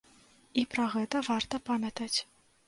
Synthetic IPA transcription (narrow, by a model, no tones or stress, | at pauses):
ipɾɐɣɛt̪ɐvart̪ɐpamʲɐt̪ɐt͡sʲ